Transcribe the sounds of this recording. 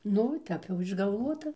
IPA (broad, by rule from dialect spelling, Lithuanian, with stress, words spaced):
ˈnʊ ˈtʲɛp jɛʊ ɪʒɡɐlˠˈʋuɔtɐ